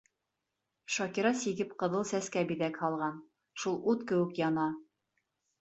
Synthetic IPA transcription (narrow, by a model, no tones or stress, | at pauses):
ʃɑkiɾɑsiɡɘpqɤ̆ðɤlˠsæskæbiðækhɑlˠʁɑn | ʃulˠut̪kɘ̆wɘ̆kjɑnɑ